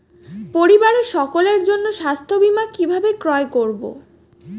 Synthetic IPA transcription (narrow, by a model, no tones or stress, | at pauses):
poɾibaɾeʃɔkoleɾd͡ʑonːoʃast̪ʰobimakibʱabekɾɔekoɾbo̰